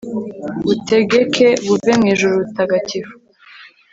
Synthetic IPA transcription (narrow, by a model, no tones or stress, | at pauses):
βute̞ɡekʰe̞βuvemŋiːʒuɾuβutaɡaciɾu